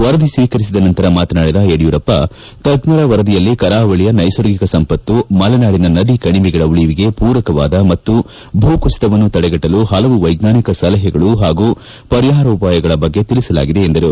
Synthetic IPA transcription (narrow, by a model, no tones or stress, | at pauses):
ʋɐɾɐd̪isʋiːkɐɾis̬id̪ɐnɐnt̪ɐɾɐmaːt̪ɐnaːɽid̪ɐeɽijuːɾɐpːɐ | t̪ɐɡnɐɾɐʋɐɾɐd̪ijɐlːikɐɾaːʋɐɭijɐnɐjsɐɾɡikɐsɐmpɐt̪ːumɐlɐnaːɽinɐnɐd̪ikɐɳiʋiɡɐɭɐuɭiʋiɡe̞puːɾɐkɐʋaːd̪ɐmɐt̪ːu | bʱuːkust̪ɐʋɐnːut̪ɐɽɛɡɐʈːɐluɦɐlɐʋuʋɐjɡnaːnikɐsɐlɐɦɛɡɐɭuɦaːɡuː | pɐɾjaːɾɐːpaːjɐɡɐɭɐbɐɡːe̞t̪ilisɐla̰ːɡid̪e̞ːnd̪ɐɾu